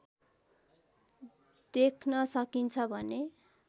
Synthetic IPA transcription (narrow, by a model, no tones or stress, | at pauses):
d̪̥ekʰnʌsʌkint͡sʰʌbʱʌne